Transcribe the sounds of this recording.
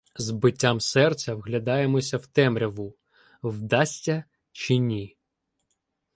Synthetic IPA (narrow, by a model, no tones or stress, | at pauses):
zbɪtʲːamsɛrt̪sʲɐwɦlʲɐd̪ɑjemɔsʲɐwt̪ɛmɾʲɐʋu | wd̪ɑsʲtʲɐ | t͡ʃinʲi